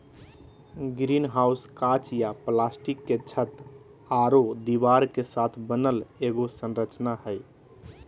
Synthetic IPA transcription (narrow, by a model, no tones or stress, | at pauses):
ɡɾinɦawskat͡ʃjaplasʈikːet͡ʃʰət̪ | aɾod̪ibaɾkesat̪ʰbənəleɡosənɾət͡ʃnahəj